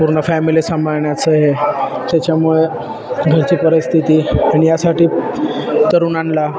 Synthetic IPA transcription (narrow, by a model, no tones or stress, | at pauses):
puɾɳəfæmilisəmaɾɳjat͡səɦe | t̪jat͡ɕjamuɭe | ɡʱəɾt͡ɕiːpəɾist̪ʰit̪iːaɽ̃ijasaʈiː | t̪əɾuːnanla